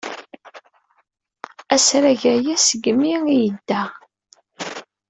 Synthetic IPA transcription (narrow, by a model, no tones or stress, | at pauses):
æsɾæʝæjæsəɡəmiijəd̪ːæ